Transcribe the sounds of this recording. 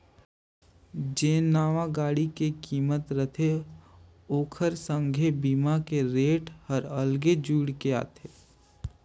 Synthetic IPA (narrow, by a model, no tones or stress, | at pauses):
d͡ʒeːnaːʋaɡaːɽikekiːmət̪ɾət̪ʰe | oːkʰəɾsə̃ŋɡʱebiːmakeɾeːʈhəɾəlɡed͡ʒuːɽkea̰ːt̪ʰeː